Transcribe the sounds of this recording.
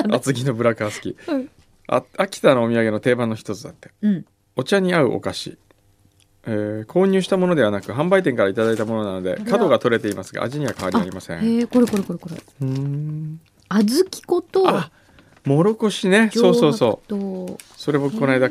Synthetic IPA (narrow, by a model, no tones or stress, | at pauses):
at͡sɨɡʲino̞bɯ̟ɾakasɨ̥kʲi | a̰akʲi̥t̪anoːmʲiaɡe̞no̞t̪e̞ːbãnːoçi̥t̪o̞t͡sɨd̪at̪ːe̞̥ | o̞t͡ɕaɲ̟iaɯ̟̰ʔo̞̰kaɕḭ | eːkʰo̞ːɲ̟ɨːɕi̥t̪amo̞no̞d̪e̞βanakɯ̟ɦãmbait̪eŋkaɾait̪ad̪ait̪amo̞no̞nano̞d̪e̞̰kad̪o̞ɡat̪o̞ɾe̞t̪e̞imasɨɡa̰a̰ʑiɲ̟iβakaβaɾʲaɾimasẽkoɾekoɾekoɾekoɾe | ɯ̃ | azɨkʲi̥kot̪oa | mo̞ɾo̞ko̞ɕine̞so̞ːso̞ːso̞ː | so̞ɾe̞bo̞kɯ̟̥ko̞naid̪a